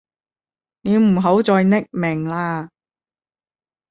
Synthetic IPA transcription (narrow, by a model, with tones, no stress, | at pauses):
ne˨˧m̩˨˩ɦo˨˥wt͡sɔː˧jnɪ˥k̚mɪ˨˩ŋlaː˧